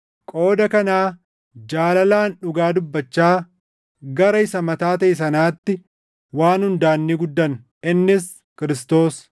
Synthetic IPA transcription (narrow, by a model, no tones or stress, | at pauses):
kʼo̞ːd̪ɐkɐnaː | d͡ʒaːlɐlaːnᶑʊɡaːd̪ʊbːɐt͡ʃːaː | ɡɐɾɐɪsɐmɐt̪aːt̪ɐʔɪs̬ɐnaːt̪ːɪ | waːnhʊnd̪aːnːiːɡʊd̪ːɐn | ɪnːɪs | kɪɾɪst̪o̞ːs